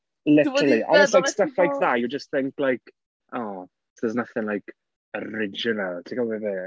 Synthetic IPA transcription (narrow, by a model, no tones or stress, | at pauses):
lɪtəlˠiʔɔslajstaflajk̚ðajud͡ʒəst̚θɪŋklajk | ʔɔː | səznaθɪnlajk | əɾɪd͡ʒɪnəlˠtʰikavɛvɛ